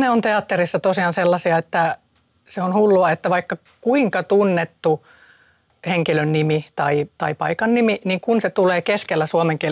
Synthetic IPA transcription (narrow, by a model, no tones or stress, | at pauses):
neont̪eɑt̪ːerisːɑt̪osiɑnselːɑsiɑet̪ːæ | seonhulːuɑet̪ːæʋɑikːɑ | kuiŋkɑt̪unːet̪ːu | heŋkilønːimit̪ɑit̪ɑipɑ̰ikɑnniminiŋkunset̪uleːkeskelːæsuomeŋkie